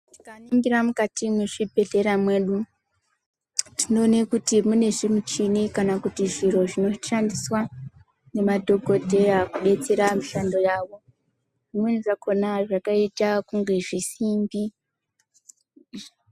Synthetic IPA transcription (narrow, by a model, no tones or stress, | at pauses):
ti̥kaniŋɡiɾamukatimweʐibʱe̞ɮe̞ɾamwe̞ːɗu | tino̞ːnekutimune̞ʐimut͡ʃinikanakutiʐiɾo̞ʐino̞ʃandiswa | ne̞madʱo̞ko̞te̞akuɓe̞t͡se̞ɾamiʃando̞jaːʋo̞ | ʐimweniʐako̞naʐakaitakuŋɡe̞ʐisimbi